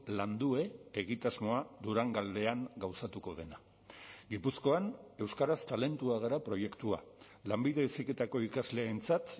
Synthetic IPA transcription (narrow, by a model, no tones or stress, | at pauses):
land̪ue̞ːɣ̞it̪azmo̞aðuɾaŋɡald̪e̞aŋɡawsat̪uko̞ð̞e̞na | ɡipusko̞ane̞wskaɾast̪ale̞nt̪uaɣ̞aɾapɾo̞je̞kt̪ua̰ | lambiðe̞esike̞t̪ako̞ikazle̞ːnt͡sat̪